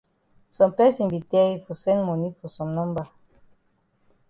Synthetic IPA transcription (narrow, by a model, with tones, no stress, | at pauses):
sɔ̃˨mpɛ˦sĩ˨nbi˨tɛ˦i˦fɔ˨sɛ̃˦nmɔ˨ni˦fɔ˨sɔ̃˨mnɔ̃˦mba˨